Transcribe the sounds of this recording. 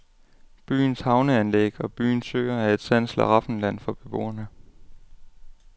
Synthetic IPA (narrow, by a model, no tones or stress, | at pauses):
b̥y̰ːnshɑ̈ʊnəænleɡ̥ɒ̽b̥y̰ːnsø̰ɪ̰ɐæe̝d̥sæn̰slæʁɑ̈fn̩læn̰fɒ̽b̥e̝b̥o̝̰ːɐnə